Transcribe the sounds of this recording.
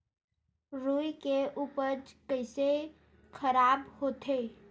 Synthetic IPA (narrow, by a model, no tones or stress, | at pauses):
ɾuikeʔuːpəɾd͡ʒkəɪse | kʰəɾaːbhoːt̪ʰe